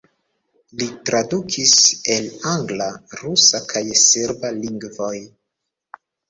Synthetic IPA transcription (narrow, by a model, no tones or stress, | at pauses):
litɾadukʰise̞laŋɡlaɾusakʰajseɾbaliŋɡvo̞j